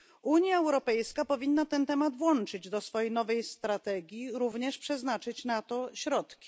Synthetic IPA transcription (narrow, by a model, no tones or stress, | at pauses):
uɲjaɛwɾɔpɛjskapɔvʲinːat̪ɛnt̪ɛmad̪vwɔnt͡ʂɘd͡ʑd̪ɔsfɔjejnɔvɛjst̪ɾat̪ɛɡʲjiɾuvɲɛʂpʂɛznat͡ʂɘt͡ɕnat̪ɔɕɾɔt̪kkʲi̥